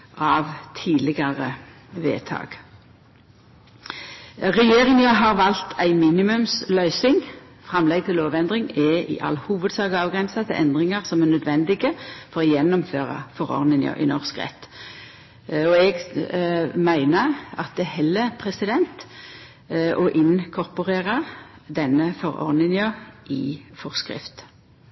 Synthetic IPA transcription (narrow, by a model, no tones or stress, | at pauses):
ʔɑʋt̪ʰiːlɪɡɑʁə | ʋḛːt̪ʰɑ̰ːɡ̥ | ʁɛjeːʁɪŋəjɑɦɑʁʋɑlt̪ʰæɪmiːnɪmʉmslœʏsɪŋ | fʁɑmlɛɡ̚t̪ʰɪlːoːʋɛnd̪ʁɪŋɛʔɪ̰ʔɑ̰lːhuːʋəd̪sɑːɡɑːʋɡʁɛnsɑt̪ʰɪlʔɛnd̪ʁɪŋɑʁsɔmɛnœd̪ʋɛnd̪ɪɡəfɔʁɔjɛnːɔmføːʁɑ̰fɔʁɔ̰ʁd̪ɪnɑ̰ʔɪ̰nɔʁskʁɛ̰t̪ː | ɔɛɡ | mæɪnəɑt̪̚d̪ɛhɛlːəpʰʁɛsɪd̪ɛnt̪ | ʔɔʔɪnkʰɔʁpʊʁeːʁəd̪ɛnːəfɔʁɔ̰ʁd̪ɪnɪəʔɪfɔʁskʁɪ̰ft̪